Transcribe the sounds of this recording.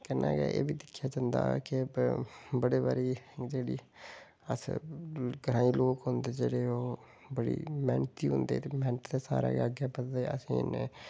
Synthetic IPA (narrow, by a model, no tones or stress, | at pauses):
kɛna̰ːɡɛ̰ːʔḛːbiːd̪ɪkʰːjaːd͡ʒãːnd̪a̰ːkɪ | bəɽeːβaːɾiːd͡ʒeːɽiː | ə̰s | ɡɾaːiːloːkɦʊnd̪eːd͡ʒeːɽeːoː | bəɽḭːmɛ̃ːnt̪iːɦʊnd̪ḛːt̪eːmɛːɳt̪d̪eːsa̰ːɾa̰ːɡəɡeːpət̪d̪eːəsĩːne